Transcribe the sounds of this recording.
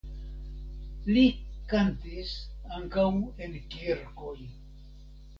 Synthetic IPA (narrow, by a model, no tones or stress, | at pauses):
likant̪isaŋkawenkiɾkoj